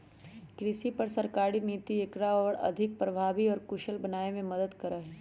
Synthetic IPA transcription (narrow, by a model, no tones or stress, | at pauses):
kɾɪsipɐɾsɐɾkaːɾiniːt̪iɪkɾaɔːɾɐ̰d̪ʱɪk̚pɾɐbʱaːʋiɔːɾkʊʃəlbɐnaːemẽmɐd̪əd̪kɐɾaɦɛ